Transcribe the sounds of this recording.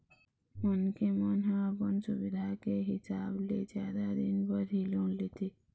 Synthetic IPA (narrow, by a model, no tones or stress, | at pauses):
mənkemənɦə̃əpənsubid̪ʱakeɦisabled͡ʒjad̪ad̪inbəɾʱilonlet̪ʰi